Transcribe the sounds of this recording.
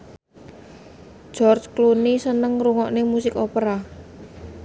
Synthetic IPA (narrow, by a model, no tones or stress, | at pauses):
ʒ̥ɔrt͡ʃklunisənəŋruŋɔʔnemusɪkopəɾa